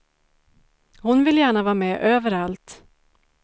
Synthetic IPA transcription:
hʊnvɪljæːɳavɑːmɛːʔøːvəɾalt̪

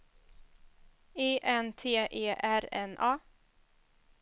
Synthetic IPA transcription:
eːʔɛnt̪ʰeːʔeːʔæɾɛ̰nʔɑː

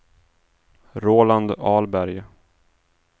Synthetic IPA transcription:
ɾoːland̪ɑːlbæɾj

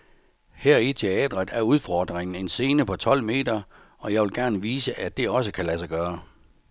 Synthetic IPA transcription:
heɐ̰it͡sʰe̝ɛ̰ːd̥ʁəð̩ˠæɐuð̞ˠfɒ̰ːd̥ʁeŋn̩e̝nse̝ːnəpʰɒ̽t͡sʰɒ̽l̰me̝̰ːd̥ɐ | ɒ̽jɑ̈ɪʋe̝lɡ̥æɐnəʋiːsəʔæ̥e̝ɒ̽s̬əkʰælæsɑ̈ɡ̥ɶːɐ

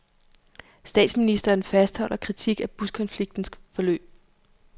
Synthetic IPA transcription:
sd̥ɛ̰ːd̥sminisd̥ɐːnfæsd̥hɒ̽l̰ɐkʰʁit͡sʰiɡ̥æb̥uskʰɒ̽nfliɡ̥̚d̥n̩sfɒ̽lø̰ːb̥̚

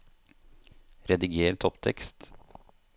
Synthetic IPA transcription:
ɾɛd̪ɪɡeːɾt̪ʰɔpt̪ʰɛkst̪

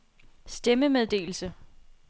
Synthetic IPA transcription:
sd̥eməmeðˠd̥e̝̰ːl̩sə

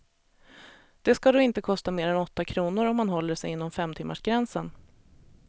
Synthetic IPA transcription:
d̪̥ɛskad̪oːɪnt̪əkʰɔst̪ameːɾɛnɔt̪ːakʰɾuːnʊɾɔmːanɦɔlːəʂɛ̰jɪnːɔmfɛmt̪ʰɪmːa̰ʂɡɾɛnsən

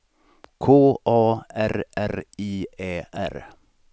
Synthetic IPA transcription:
kʰoːʔoːæɾʔæɾiːeːæ̰ɾ

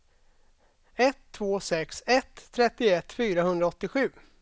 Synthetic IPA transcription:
ɛt̪ʰːvoːsɛksɛt̪ʰːɾɛt̪ːɪɛt̪ːfyːɾahɵnd̪ɾaɔt̪ːɪɧʉ̟ː

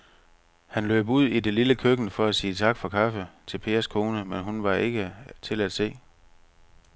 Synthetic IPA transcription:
hænlø̰ːb̥uð̰ˠide̝liləkʰøɡ̥n̩fɒ̽æsiːt͡sʰɑ̈ɡ̥fɒ̽kʰɑfət͡sʰe̝lpʰe̝̰ːɐskʰo̝ːnəmenɦunʋɑ̈e̝ɡ̥ət͡sʰe̝læd̥se̝̰ː

